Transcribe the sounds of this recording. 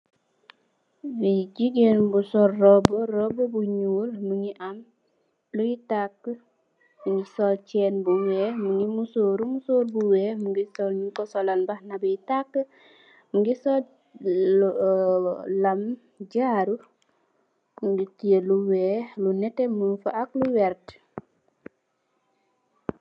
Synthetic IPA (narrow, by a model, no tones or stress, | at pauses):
bid͡ʒiɡenbusɔlːɔbɔɾɔbɔbuɲulmuŋiʔam | lujitakː | muŋɡisɔlt͡ʃɛnbuwɛmuŋimusoːɾumusoːɾbuwɛmuŋɡisɔlɲukɔsɔlanbahnabijitakː | muŋɡisɔ | lam | d͡ʒaːɾu | muŋɡitieluwɛlunɛtɛmunfaʔakluwɛɾt